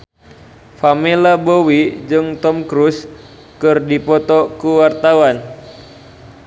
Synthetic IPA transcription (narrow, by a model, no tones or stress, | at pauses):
familabowid͡ʒɨŋt̪ɔmkɾus | kɨrdipɔt̪ɔkuwart̪awan